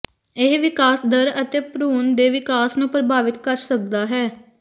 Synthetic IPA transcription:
ɪɦʋɪkaːsd̪əɾət̪eːpɾuːnd̪eːʋɪkaːsnũːpɾəbaːʋɪt̪kəɾsək̚d̪aːɦɛː

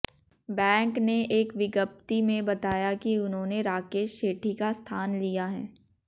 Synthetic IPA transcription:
bɛ̃ːŋkneʔeːkʋɪɡəp̚t̪imẽbɐt̪aːjakiʊnɦõneɾaːkeːʃːeːʈʰikast̪ʰaːnlijaɦɛː

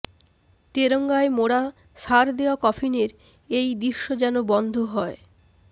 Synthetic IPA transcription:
t̪eɾoŋɡaemoɽa | ʃaɾd̪ewakɔpʰineɾ | ejd̪iʃːod͡ʑɛnobɔnd̪ʱoɦɔe

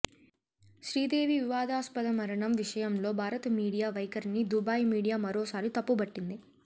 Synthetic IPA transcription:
ʃɾiːd̪eːʋiʋiʋaːd̪ʱaːspɐd̪ɐmɐɾɐɳɐmʋiʂɐjɐmlo̞ːbʱaːɾɐt̪ɐmiːɽijaːʋɐjkɐɾnid̪ubaːjmiːɽijaːmɐɾo̞ːsaːɾit̪ɐpːubɐʈːind̪i

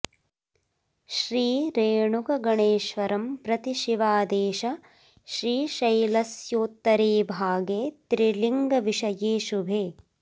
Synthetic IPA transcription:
ʃɾiːɾeːɳukɐɡɐɳeːʃʋɐɾɐmpɾɐt̪iʃiʋaːd̪eːʃɐ | ʃɾiːʃɐjlɐsjoːt̪ːɐɾeːbʱaːɡeːt̪ɾiliŋɡɐʋiʃɐjeːʃubʱeː

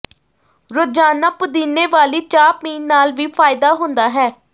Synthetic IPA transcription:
ɾʊd͡ʒaːnəpd̪iːneːʋaːliːt͡ʃaːpiːnːaːlʋiːpʰaːɪd̪aːɦʊ̃nd̪aːɦɛː

